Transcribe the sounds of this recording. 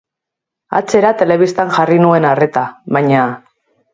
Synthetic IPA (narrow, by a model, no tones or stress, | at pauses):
a̰t͡se̞ɾat̪e̞le̞β̞ist̪anxarinue̞nare̞t̪aβajɲa